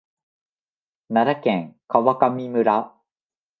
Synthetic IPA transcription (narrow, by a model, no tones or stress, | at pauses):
naɾakẽŋkaβakamʲimɯ̟ɾa